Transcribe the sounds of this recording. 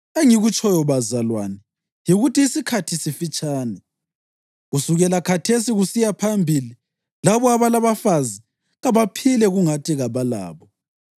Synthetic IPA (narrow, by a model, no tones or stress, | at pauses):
eŋiɣut͡ʃʰʼɔjɔβazalwanɛ | jiɣutiːsikʰatʰisifit͡ʃʼaːnɛ | ɣusuɣɛlakʰatʰesiɣusijapʰambʱili | laβɔaβalaβafazi | ɣaβapʰilɛɣuŋatʰiɣaβala̰ːβɔ